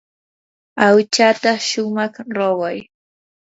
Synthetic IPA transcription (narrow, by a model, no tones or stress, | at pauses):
awt͡ʃat̪aʃʊmɑχɾowaj